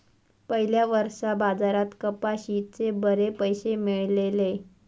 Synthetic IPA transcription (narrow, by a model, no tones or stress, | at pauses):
pəɦiljaʋəɾʂabad͡zaɾat̪kəpaɕit̪t͡sebəɾepəjɕemiɭlele